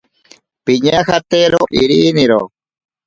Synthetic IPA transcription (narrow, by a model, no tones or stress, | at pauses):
piɲahat̪eɾoʔiɾiniɾo̰